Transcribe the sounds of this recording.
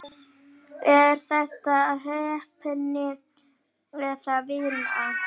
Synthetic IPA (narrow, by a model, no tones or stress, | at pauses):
ɛɾ̥θɛht̪aːðɦœːɥɛhpʰɛnːɪ | lɛːθavɪna